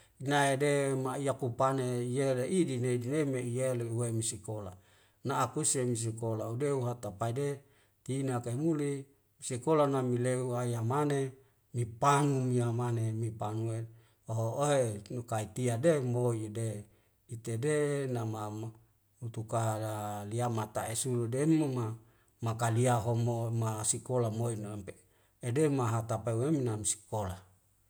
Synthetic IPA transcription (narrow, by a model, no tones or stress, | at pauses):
inaedemaijakupaneijeleʔidineidinemeijeleuwemisikola̰ | naʔːkusemis̬ikolaudeuɦat̪apaide | t̪inakaemuli | sikolanamileuajamane | mipanumiamanemipanue | oɦooɦenukait̪iademoide | it̪edenama | ut̪ukaliamat̪aesuludemma | makaliaɦomomasikolamoinpe | edemaɦat̪apeueminamisi̥kola